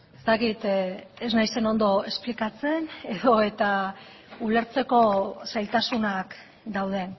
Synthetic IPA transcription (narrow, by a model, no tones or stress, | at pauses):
est̪akit̪eznajse̞no̞nd̪o̞e̞splikat͡se̞ne̞ðo̞e̞t̪a | ule̞ɾt͡se̞ko̞sajlt̪asunak | d̪awð̞e̞